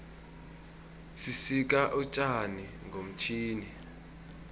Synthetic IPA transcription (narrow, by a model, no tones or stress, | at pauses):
sisik̬ʼaʔut͡ʃʼani | ŋɡʱom̩t͡ʃʰiːni